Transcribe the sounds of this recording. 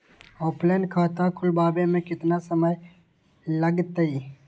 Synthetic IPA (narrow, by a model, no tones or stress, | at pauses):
oːpleːnkʰaːt̪akʰʊlbaːbemẽkɪt̪nasəməj | ləɡt̪əi